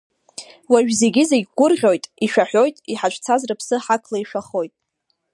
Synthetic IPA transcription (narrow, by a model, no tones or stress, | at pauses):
waʒᶣze̞ɡʲɪzeɡʲɡʷʊrʁʲo̞jtʼiʃᶣaħʷᶣo̞jtʼiħat͡ʃʷʰt͡sʰazrɨpʰsɨħakʰlaiʃʷᶣaχo̞jtʼ